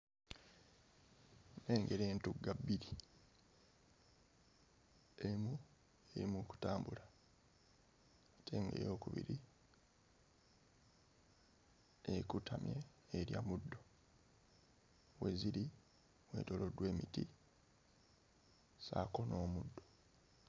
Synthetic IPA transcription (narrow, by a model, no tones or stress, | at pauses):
neːŋɡe̞ɾeːntuɡabiɾi | emu | eɾimuku̥taːmbula | atʰe̞ːŋɡḛjo̞ːkuβḭɾi | ekutamjeː | ɾja̰mudːo̞ | weziɾi | mwe̞̰ːto̞lo̞dwe̞ːmiti | sako̞no̞ːmudːo